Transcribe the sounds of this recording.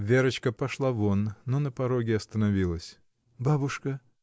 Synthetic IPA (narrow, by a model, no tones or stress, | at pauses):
vʲeɾət͡ɕkəpɐʂlˠavonːonəpɐɾoɡʲɪɐst̪ənɐvʲilˠəsʲ | babʊʂkə